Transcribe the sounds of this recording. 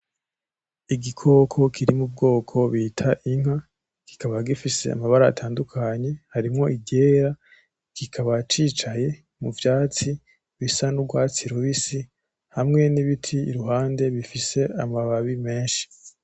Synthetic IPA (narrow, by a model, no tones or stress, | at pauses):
iɡikʰo̞ːkʰo̞kʰiɾimub̚ɡo̞ːkʰo̞βiːtʰaʔiŋ̥ha | ki̥kaβaɡifise̞̰a̰maβaɾa̰ːtʰaːndukʰaɲe̞haɾimŋo̞ʔiɟe̞ːɾa | kikʰaβat͡ʃiːt͡ʃaje̞ | muvjaːt͡si | βisanuɡwaːt͡siɾuβisi | hamŋe̞niβitʰḭːɾuɦaːnde̞βifise̞amaβaβime̞ːnʃi̥